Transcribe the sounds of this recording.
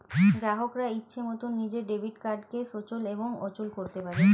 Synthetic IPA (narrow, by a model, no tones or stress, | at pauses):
ɡɾaɦokɾaitːɕʰemot̪unːid͡ʑeɾɖebʱiʈkaɾɖkeʃot͡ɕoleboŋot͡ɕolkoɾt̪epaɾe